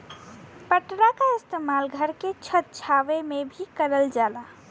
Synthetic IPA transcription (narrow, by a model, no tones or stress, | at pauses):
pəʈɾakaɪst̪emalɡʱəɾket͡ʃʰət̪̚t͡ʃʰaʋemebʱikəɾəld͡ʒala